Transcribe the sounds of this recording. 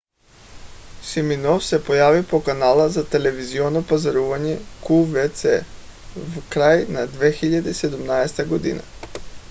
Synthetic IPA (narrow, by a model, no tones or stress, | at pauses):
siminofsepojaʋipokanalˠazat̪eleʋizionopazaɾuʋaɲekuvet̪sḛ | vkɾajnad̪ʋexiʎad̪eised̪umnaest̪aɡod̪ḭna̰